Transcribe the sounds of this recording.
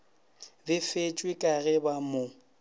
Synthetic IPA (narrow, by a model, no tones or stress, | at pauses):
bɪfet͡ʃʼwɪkʼaɣɛbamo